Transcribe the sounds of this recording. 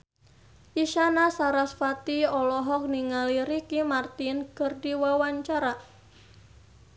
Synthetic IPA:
ʔiʃanasaɾasfat̪iɔlɔɦɔk̚niŋaliɾikimart̪inkərdiwawaɲt͡ʃaɾa

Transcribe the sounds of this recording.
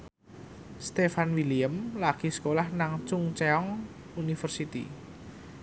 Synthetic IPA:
st̪efanwiliəmlaɡ̥i̤skolahnaŋt͡ʃʊŋt͡ʃɛɔŋ | unifərsit̪ḭ

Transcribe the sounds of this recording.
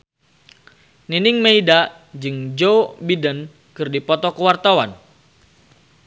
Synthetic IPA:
ninɪŋmeida | d͡ʒɨŋd͡ʒobidən | kɨrdipɔt̪ɔkəwart̪awan

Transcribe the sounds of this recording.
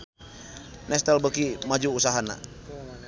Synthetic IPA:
nɛst̪albəkimad͡ʒuːsaɦana̰

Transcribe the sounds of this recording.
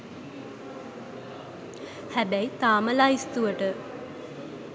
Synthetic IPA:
hæbæjt̪aːməlaist̪uʋəʈə

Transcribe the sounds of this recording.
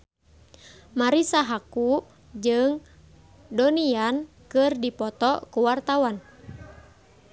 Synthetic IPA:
maɾisaɦaku | d͡ʒɨŋ | dɔnian | kɨrdipɔt̪ɔkuwart̪awan

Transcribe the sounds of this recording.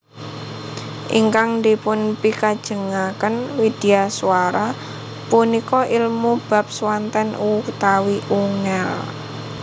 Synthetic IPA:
ʔḭŋkaŋnd̪ipʊnpikad̥ʒ̥ə̤ŋakənwid̥iasuwaɾa | punikɔʔilmub̥a̤p̚swant̪ɛnut̪awiʔuŋɛl

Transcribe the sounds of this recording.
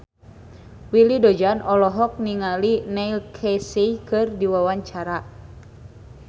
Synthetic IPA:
wilidɔd͡ʒanɔlɔɦɔk̚niŋalinɛilkʰesikɨrdiwawaɲt͡ʃaɾa

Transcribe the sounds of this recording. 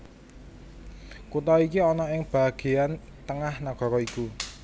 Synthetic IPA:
kut̪aikiɔnɔɪŋb̥a̤ɡ̥e̤an | t̪əŋahnaɡ̥ɔ̤ɾɔiku

